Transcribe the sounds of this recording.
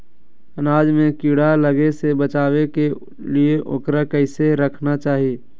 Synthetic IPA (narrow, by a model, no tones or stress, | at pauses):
ənaːd͡ʒmẽkiːɽaləɡesebət͡ʃaːweke | lieʔo̰kɾakəɪseɾəkʰnat͡ʃaːɦijeː